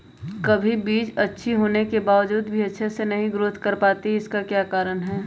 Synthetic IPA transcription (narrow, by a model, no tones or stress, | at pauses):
kɐbʱibiːd͡ʒɐtːʃʰiɦoːnekebaːʋəd͡ʒuːd̪bʱiɐtːʃʰesenɐɦĩɡɾʊːt̪ʰkɐɾpaːt̪iɪskakjaːkaːɾənɦɛː